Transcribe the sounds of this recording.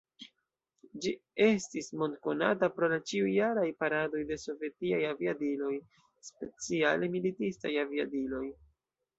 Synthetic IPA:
d͡ʒie̞stismo̞ndko̞na̰tapɾo̞lat͡ʃiujaɾajpaɾado̞jde̞so̞ve̞tiajaviadilo̞j | spe̞t͡sialemilitistajaviadilo̞j

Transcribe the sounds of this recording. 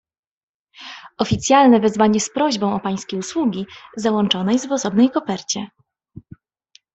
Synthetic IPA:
ɔfʲit̪sʲjalnɛvɛzvaɲɛspɾɔʑbɔ̃w̃ɔpaj̃skʲejuswuɡʲizawɔnt͡ʂɔnɛjzvɔsɔbnɛjkɔpɛɾt͡ɕɛ

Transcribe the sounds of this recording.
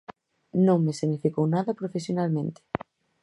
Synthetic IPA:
nõŋmesinifikownaðɐpɾofesjonalmẽnt̪ɪ̥

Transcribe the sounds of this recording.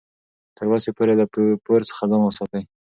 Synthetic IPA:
t̪əɾwɑsepoɾed̪əpoɾt͡sə̥xad̪ɑmwəsɑt̪əj

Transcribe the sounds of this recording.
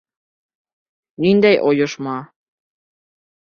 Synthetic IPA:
nind̪æjʔojŏʃmɑ

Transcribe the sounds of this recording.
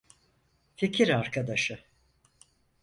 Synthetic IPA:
ficʰiɾaɾkʰad̪aʃɯ

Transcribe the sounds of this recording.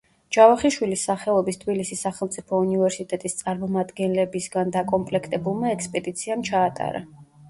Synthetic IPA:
d͡ʒ̥avaχiʃwilisːaχɛɔbist̪ʰbilisisːaχɛlˠt̪sʼipʰɔunivɛɾsit̪ʼɛt̪ʼist̪sʼaɾmɔmad̪ɡɛnlɛbisɡand̪akʼɔmpʼlɛkʰt̪ʼɛbulˠmaɛkspʼɛd̪it̪sʰiamt͡ʃʰaːt̪ʼa̰ɾa̰

